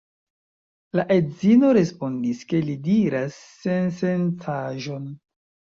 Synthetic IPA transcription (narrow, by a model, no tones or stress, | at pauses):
laʔe̞dzino̞ɾe̞spo̞ndiske̞lidiɾasːe̞nse̞ntʰaʒo̞n